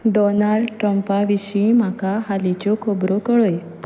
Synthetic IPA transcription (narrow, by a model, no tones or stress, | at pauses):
ɖɔnalɖʈɾəmpaʋiʃĩmakaɦalit͡ɕokʰobɾokəɭoe | p